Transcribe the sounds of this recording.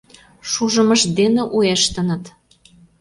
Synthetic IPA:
ʃuʒə̆məʃd̪eneʔueʃt̪ə̆nət̪

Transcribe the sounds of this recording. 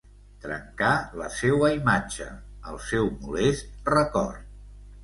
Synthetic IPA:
t̪ɾə̰ŋkaləsewəimad͡ʒə̰ə̰lˠsɛwmulest̪̚rəkɔ̰rt̪

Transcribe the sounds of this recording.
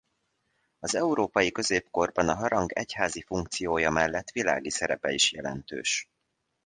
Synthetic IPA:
ɒzɛuɾoːpɒjikø̞zeːpko̞rbɒnɒɦɒɾɒŋɡɛchaːzifuŋkt̪sijoːjɒmɛlːɛt̪ːʋila̰ːɡisɛɾɛpɛiʃjɛlɛnt̪ø̰ːʃ

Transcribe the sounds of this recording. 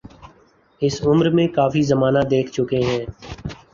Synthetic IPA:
ɪsʊmɾmẽkaːfizəmaːnad̪eːkʰt͡ʃʊkeɦɛ̃ː

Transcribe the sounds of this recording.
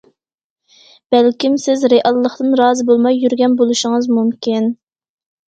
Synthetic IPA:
b̥ɛlkʲimsɪzɾeʔɑlˠːəχt̪ɨnɾɑːzɨbolˠmɑjːyɾɡʲɛnbolˠuʃɪŋɨzmumkʲin

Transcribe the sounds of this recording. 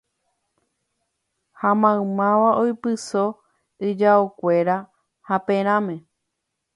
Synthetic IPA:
hãmãɨ̃mãʋaʔojpɨso̞ | ɨd͡ʒaokʷe̞ɾa | hapẽɾ̃ãmẽ̞

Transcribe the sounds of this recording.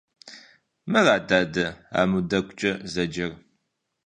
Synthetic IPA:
mɨraːdaːdɐa̰ːmudɐkʷʼʊt͡ʃʼɐzɐd͡ʒɐr

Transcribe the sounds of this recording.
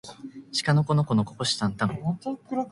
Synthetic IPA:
ɕi̥kanoko̞noko̞nokokoɕi̥sãnt̪aŋ

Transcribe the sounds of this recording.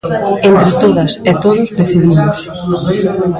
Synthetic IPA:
ent̪ɾɪt̪oðɐset̪oðʊzðeθiβimʊs

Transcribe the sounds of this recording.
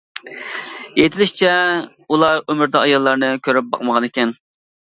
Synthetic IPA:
jet̪ʰɪlɪʃt͡ʃʰɛ | ulˠɑɾømɪɾd̪ɑɑjɑlˠːɑɾnɨkʲʰøɾyp̚bɑ̰qməʁɑnekʲɛn

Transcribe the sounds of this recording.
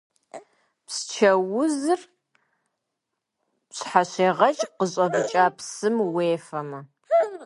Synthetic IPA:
pst͡ʃʰɐwʊzɨr | ɕħaɕeːʁɐt͡ʃʼqəɕʼɐbɨt͡ʃʼaːpsɨmweːfɐmɐ

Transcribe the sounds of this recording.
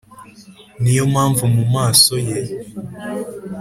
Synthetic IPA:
nijomhaːɱvumumaːso̞je

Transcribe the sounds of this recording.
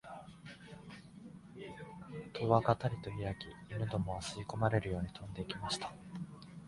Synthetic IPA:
t̪ʰo̞ːβakat̪aɾʲit̪o̞ijakʲiːnɯ̟d̪o̞mo̞asɨiko̞maɾe̞ɾɯ̟jo̞ːɲ̟it̪ʰõ̞nd̪e̞ikʲimaɕi̥t̪ḁ

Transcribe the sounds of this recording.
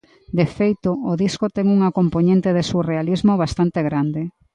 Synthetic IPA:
d̪efejt̪ooðiskot̪ɛŋuŋakompoɲẽnt̪eðesurealizmoβ̞ast̪ant̪eɣɾand̪e

